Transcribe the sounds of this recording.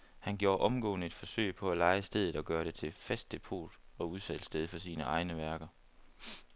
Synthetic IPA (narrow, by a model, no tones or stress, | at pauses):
hænɡ̥jo̝ːɐʔɒ̽mɡ̥ɔ̰ːnəe̝d̥fɒ̽sø̰ɪpʰɒ̽ælɑ̈ɪəsd̥eð̞ˠð̩ˠɒ̽ɡ̥ɶːɐɾ̥e̝t͡sʰe̝lfæsd̥ʰe̝pʰo̝̰ːd̥ɒ̽uðˠsæd̥sd̥eð̞ˠfɒ̽siːnəʔɑ̈ɪnəʋæɐɡ̥ɐ